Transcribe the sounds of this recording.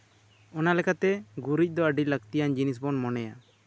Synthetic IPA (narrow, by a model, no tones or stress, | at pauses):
ɔnalɛkat̪ɛɡuɾic̚ˀd̪ɔəɖiləɡ̚t̪ijand͡ʒinis̬bɔnmɔnɛja